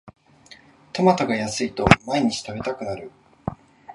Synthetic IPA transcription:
t̪o̞mat̪oɡajasɨit̪o̞maiɲ̟it͡ɕi̥t̪abe̞t̪akɯ̟naɾɯ̟

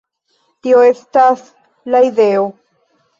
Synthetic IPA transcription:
tio̞e̞stas | laide̞o̞

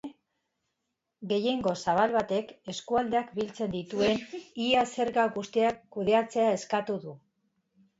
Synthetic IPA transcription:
ɡe̞je̞ŋɡo̞saβ̞alβat̪e̞ke̞skuald̪e̞akbilt͡se̞nd̪it̪ue̞niase̞ɾɣaɣust̪iakːuðe̞at͡se̞ae̞skat̪uðu

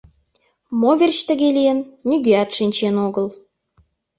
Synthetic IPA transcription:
moβert͡ɕt̪ə̆ɣelijənːyɣeɑt̪ʃinʲt͡ɕenoɣəl

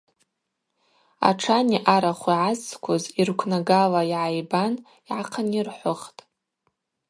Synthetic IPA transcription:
a̰ʈ͡ʂʰaniʔaɾaχʷiʕazkʷʰʊzirkʷʰnaɡalaiʕajban | iʕaqʰanirħʷʊχtʼ

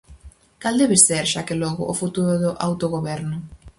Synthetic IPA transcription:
kald̪ɛβɪseɾʃakelɔɣʊ̰ʔofut̪uɾʊðʊʔa̰wt̪oɣoβɛɾnʊ

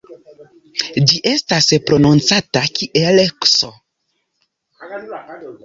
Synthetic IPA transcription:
d͡ʒiʔe̞staspɾo̞nont͡satakiʔelekso̰

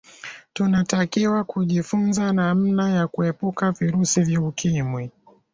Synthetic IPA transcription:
tunatakiwakuʄifunzanam̩najakuɛpukaviɾusivjaukimwi

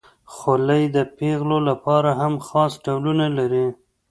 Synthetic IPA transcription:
xoləjd̪əpeɣlolapɑɾaɦamxɑsɖawlunalaɾi

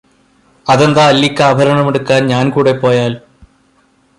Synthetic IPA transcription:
ɐðend̪aːlːikʲːaːbʱɐɾɐɳɐmeɽukːaːnɲaːnkuːɽe̞pːo̞ːjaːl

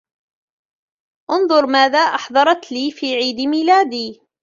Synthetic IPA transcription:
ʔʊnðˤʊɾˤmaːðaːʔɑħðˤɑɾˤɑt̪liːfiːʕiːd̪miːlaːd̪iː

